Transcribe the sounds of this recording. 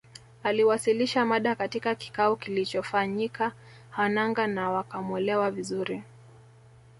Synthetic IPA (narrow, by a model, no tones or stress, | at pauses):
aliwasiliʃamaɗakatikaki̥kaɔkilit͡ʃɔfaɲika | hanaŋɡanawakamwɛlɛwavizuɾi